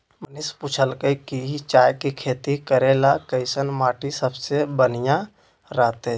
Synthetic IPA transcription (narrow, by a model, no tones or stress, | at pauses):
mənisput͡ʃʰəlkəkiit͡ʃaːjkikʰeːt̪ikəɾelakəɪsənmaːʈisəbsebənijã | ɾaːt̪e